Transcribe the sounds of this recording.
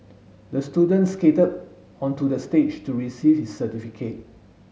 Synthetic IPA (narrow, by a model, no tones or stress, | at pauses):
dəstudə̃nsketəd | ɔ̃ntudəstet͡ʃtuɹisivhisːətifikʰet̚